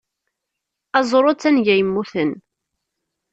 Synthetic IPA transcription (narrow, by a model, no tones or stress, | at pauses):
ɑzˤɾˤot͡sːænʝæjəmːuθən